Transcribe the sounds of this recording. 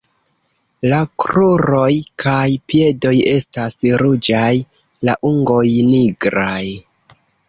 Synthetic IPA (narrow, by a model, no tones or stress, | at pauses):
lakɾuɾo̞jkʰajpje̞do̞je̞stasɾud͡ʒaj | laʔuŋɡo̞jniɡɾaj